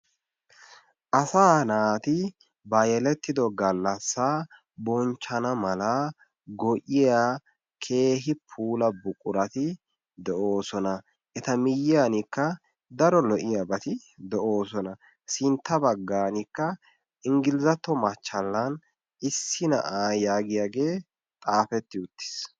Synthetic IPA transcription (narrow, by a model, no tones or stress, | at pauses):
ʔɐsaːnaːt̪ɪ | bɐjɛlɛt̪ːɪd̪ɔɡɐlːɐsːaː | bɔnt͡ʃːɐnɐmɐlɐ | ɡɔʔɪja | kʰe̞ːɦɪpʰuːlɐbʊkʼːʊɾɐt̪ɪ | d̪ɛʔo̞ːsɔnɐ | ʔɛt̪ɐmɪjɪjaːnikːɐ | d̪ɐɾɔlɔʔɪjabɐt̪ɪ | d̪ɛʔo̞ːsɔnɐ | sɪnt̪ːɐbɐɡːaːnikːɐ | ʔɪŋɡɪlɪzɐt̪ːɔmɐt͡ʃːɐlːɐn | ɪsːɪnɐ̰ʔaːjaːɡɪjaːɡe̞ː | t̪ʼaːfɛt̪ːɪʊt̪ːɪ̥s